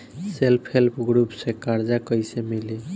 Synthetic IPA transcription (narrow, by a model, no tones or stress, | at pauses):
selpʰhelpʰɡɾupsẽkaɾd͡ʒakəjsemili